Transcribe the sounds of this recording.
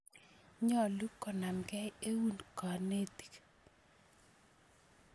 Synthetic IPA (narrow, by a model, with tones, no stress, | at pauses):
ɲɔ˨lu˦kːɔ˨na˨mɡɛ˦je˦wu˦nkɔ˨ne˦t̪i̥˨k